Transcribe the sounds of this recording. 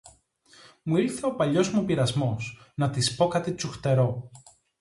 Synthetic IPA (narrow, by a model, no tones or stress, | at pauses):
muiɾθe̞o̞pɐʎo̞zmupiɾɐzmo̞snɐt̪ispo̞kɐt̪it͡suxt̪e̞ɾo̞